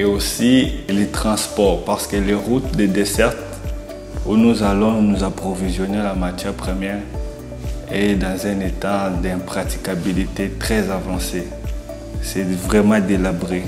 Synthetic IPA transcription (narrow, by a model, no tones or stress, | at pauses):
eosilet̪χɑ̃spɔʁpaʁsə̥kəleʁut̪̚d̪ed̪esɛʁt̪ | unuzalɔ̃nuzapχɔvizjɔnelamat̪jɛʁpχəmjɛʁ | ed̪ɑ̃zɛ̃net̪ad̪ɛ̃pχat̪i̥kabilit̪et̪χɛzavɑ̃se | sɛvʁɛmɑ̃d̪elabʁe